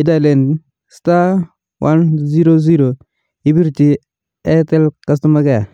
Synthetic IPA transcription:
idalen | sta | wʔanziɾoziɾo | ibiɾt͡ʃi | etelkɐs̬tɐmaɡɛ

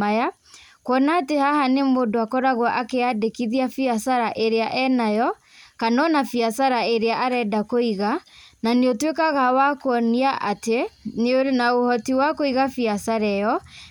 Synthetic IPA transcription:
aja | kwɔnaːtehahanemodoakɔɾaɣwaʔakeadekiðiafiaθaɾaʔeɾeaʔɛnajɔ | kanɔnafiaθaɾaeɾeaʔaɾɛdakoiɣananeotwekaɣawakoɔniaʔateneonaohɔtiwakoiɣafiaθaɾɛjɔ

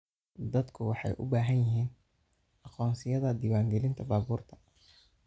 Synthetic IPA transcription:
d̪ɐd̪kʰʊwɑħɑ̰jʔʊ̰baːɦɐnjɪɦiːn | ɑqɔːnsɪjɐðɐd̪iːwaːŋɡɛlɪnt̪ʰɐbaːβuːrt̪ʰɐ̥

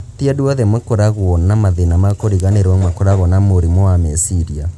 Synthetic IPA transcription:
tiaduɔðɛmwakoɾaɣwɔnamaðenamakoɾiɣaneɾwamwakoɾaɣɔnamoɾimɔwamɛsiɾia

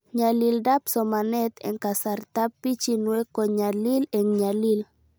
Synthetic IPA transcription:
ɲalildapsɔmanɛt̪ɛ̰ŋkasart̪apːit͡ʃinwɛkɔɲalilɛŋɲalil

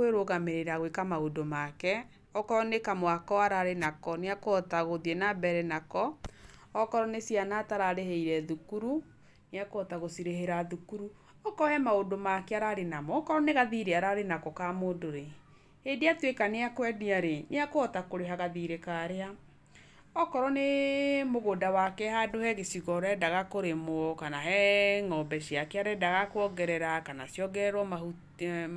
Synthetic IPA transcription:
weɾoɣameɾeɾaɣwekamaodomakɛ | ɔkɔɾɔnekamowakɔaɾaɾenakɔneakoɔtaɣoðiɛnabɛɾɛnakɔː | kɔɾɔnesianataɾaɾeheiɾɛðukuɾu | neakoɔtaɣosiɾeɦeɾaðukuɾu | ɔkɔhɛmaodomakɛaɾaɾenamɔːkɔɾɔneɣaðiɾeaɾaɾenakɔkamoːdoɾe | hedeatwekaneakwɛdiaɾeneakoɔtakoɾeɦaɣaðiɾekaɾea | ɔkɔɾɔnemoɣodawakɛhadohɛɣesiɣɔɾɛdaɣakoɾemokanaɦɛŋɔbɛsiakeaɾɛdaɣakwɔɡɛɾɛɾakanasjɔɡɛɾwɔmau

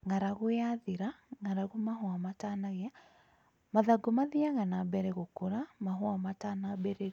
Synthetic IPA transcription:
ŋaɾaɣojaðiɾaŋaɾaɣomaɦwamatanaɣea | maðaɡomaðiaɣanabɛɾɛɣokoɾamaɦwamatanabɛɾe

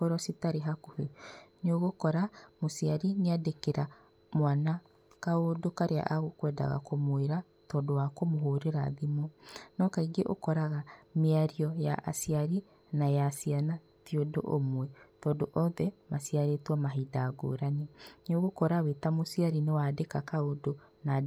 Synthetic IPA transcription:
koɾɔsitaɾeɦakuheɲoɣokɔɾamosiaɾineadekeɾa | mwana | kaodokaɾea̰ʔaɣukwɛda̰ɣa̰komoeɾa | tɔːndowakomoɦoːɾeɾaðimɔnɔkaiɡeʔo̰kɔɾaɣameaɾiɔjaʔa̰siaɾi | najasiana | tiodo̰ʔomwɛtɔːndoʔɔːðɛmasiaɾetwamaɦidaːɡo̰ːɾanenoɣokɔɾawetamosiaɾinewadekakaodona

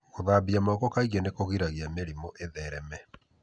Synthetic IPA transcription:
koðabiamɔkɔkaiɣɔnekoɣiɾaɣiameɾimoʔeðɛɾɛmɛ

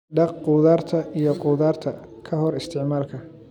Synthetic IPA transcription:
ɖɑqquːðaːrt̪ʰɐʔijɞqʊːðaːrt̪ʰɐkʰɐɦɔɾɪst̪ʰɪʕmaːlkʰɐ

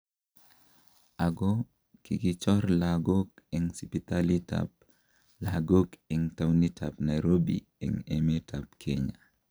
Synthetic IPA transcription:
aɡɔ | kiɡit͡ʃɔɾlaɡokiŋsipit̪alita̰p | laɡokiŋtawnitʰapnajɾobḭ | ḭŋemetʰapkʰeɲa

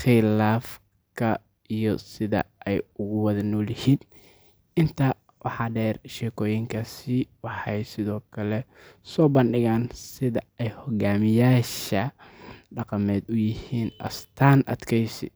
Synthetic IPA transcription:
χɪlaːf | kʰɐ | ijɔsɪðɐ̰ʔɛjʊɣʊwɑðɐnɔːlɪhiːn | ɪnt̪ʰɐ | wɑħɑːɖɛːrʃɛːkʰɔːjɪŋkʰɐsiwɑħɑjsɪðɔːkʰɐlɛ | sɔːbɐnɖɪɣaːnsɪðɐɛjhɔɣaːmɪjaːʃɐɖɑqɑmɛːd̪ʊjɪhiːnʔɐ̰st̪ʰaːnɐ̰d̪kʰɛjsɪ̰

